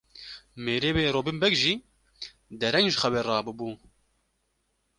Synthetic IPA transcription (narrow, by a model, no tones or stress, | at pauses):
meːɾeːweːɾoːbɨmbɛkʒiː | d̪ɛɾɛŋɡʒxɛwɛrɑːbɨbuː